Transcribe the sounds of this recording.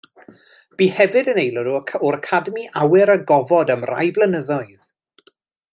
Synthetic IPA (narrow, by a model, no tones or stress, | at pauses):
b̥iːhɛvɨdənejlˠɔɾuəkʰʊɾəkʰadəmiʔawɪɾəɡɔvɔdəmra̰jblˠənəðɔɨð̥